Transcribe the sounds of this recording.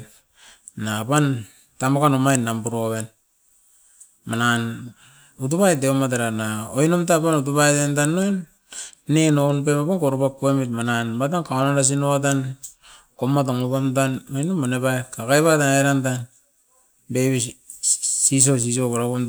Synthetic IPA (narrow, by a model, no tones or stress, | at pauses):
napan | tamokanomajnːambuɾoβe̞n | manan | ut̬upajt̬eomat̬aɾanaojnomtapanut̬upajtentanːonː | enonpepapankoɾupakuemitmananbat̬ankaonanɾas̬inoatan | komatoŋupantanojnomanepajkakajβataŋeɾantan | beβi | sis̬os̬is̬oβaɾaβun